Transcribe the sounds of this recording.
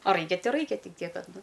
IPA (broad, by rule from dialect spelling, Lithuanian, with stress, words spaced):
ɐ ˈrɐɪkʲɛ ˈtɐɪ ˈrɐɪkʲɛ ˈtʲɪk ˈtʲiɛk ˈkɐt ˈnʊ